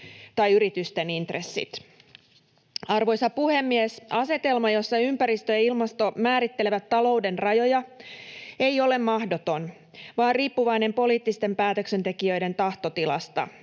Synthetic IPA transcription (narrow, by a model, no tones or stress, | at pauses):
t̪ɑjyɾit̪yst̪e̞nint̪resːḭt̪ | ɑrʋojsɑpuhe̞mːiesɑse̞t̪e̞lmɑjo̞sːɑympæɾist̪øjɑilmɑst̪o̞mæːɾit̪ːeleʋæt̪ːɑlo̞wde̞nrɑjo̞jɑ | ejo̞le̞mːɑhdo̞t̪on | ʋɑːrriːpːuʋɑjne̞mpo̞liːt̪ːist̪e̞mpæːt̪ø̞kse̞nt̪e̞kiø̞jde̞nt̪ɑht̪ot̪ilɑ̰st̪ɑ̰